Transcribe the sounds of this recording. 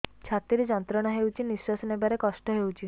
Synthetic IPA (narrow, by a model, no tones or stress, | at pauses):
t͡ʃʰat̪ɾiɾed͡ʒɔnt̪ɾɔɽ̃aɦewt͡ʃʰiniswɔsɔnebaɾekɔsʈɔɦewt͡ʃʰi